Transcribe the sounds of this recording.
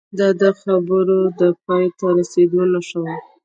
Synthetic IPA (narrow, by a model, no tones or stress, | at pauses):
d̪ɑd̪əxabəɾod̪əpɑjt̪aɾased̪onaʃəwa